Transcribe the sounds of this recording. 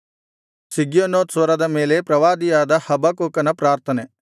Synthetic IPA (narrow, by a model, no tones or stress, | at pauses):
siɡjonoːt̪sʋɐɾɐd̪ɐmeːlepɾɐʋaːd̪ijaːd̪ɐhɐbɐkoːkɐnɐpɾaːɾt̪ʰɐne